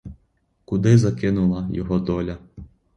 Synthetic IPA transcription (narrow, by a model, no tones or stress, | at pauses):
kud̪ɪzɐkɪnulˠɐjɔ̰ɦɔd̪ɔlʲɐ